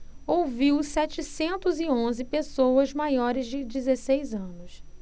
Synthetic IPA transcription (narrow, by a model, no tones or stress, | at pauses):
owviwsɛt͡ʃɪsẽnt̪ʊzɪõzɪpesowɐzmajɔɾɪzd͡ʒɪd͡ʒɪzesejzɐ̃nʊs